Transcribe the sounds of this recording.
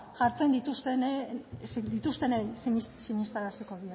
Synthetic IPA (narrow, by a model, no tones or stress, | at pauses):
ʝaɾt͡se̞nd̪it̪ust̪enesd̪it̪ust̪e̞nejssiɲist̪aɾasiko̞ðia